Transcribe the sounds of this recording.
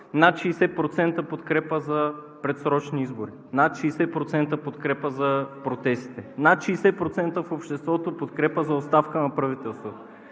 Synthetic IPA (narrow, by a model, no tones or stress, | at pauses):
nat̪ʃisɛt̪̚pɾot̪sɛnt̪əpot̪kɾɛpəzɐ | pɾɛt̪sɾɔt͡ʃniizboɾi | nat̪ʃiːsɛpɾot̪sɛnt̪əpot̪kɾɛpəzɐpɾot̪sɛst̪i̥t̪ɛnat̪ʃiːsɛt̚pɾot̪sɛnt̪əfopʃt̪ɛst̪vɔt̪opot̪kɾɛpəzɐotst̪afkənɐpɾɐvit̪ɛlˠst̪vot̪o